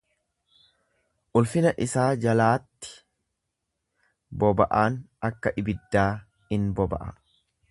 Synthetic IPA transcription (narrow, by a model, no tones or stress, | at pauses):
ʔʊlfɪnɐʔɪsaːd͡ʒɐlaːt̪ːɪ̥ | bɔbɐʔaːn | ɐkːɐʔɪbɪd̪ːaː | hɪnbɔbɐ̰ʔɐ̰